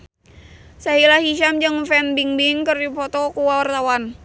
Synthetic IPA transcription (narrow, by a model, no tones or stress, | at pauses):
saɦilahiʃamd͡ʒɨŋfɛnbiŋdiŋkərdipɔt̪ɔkuwawart̪awan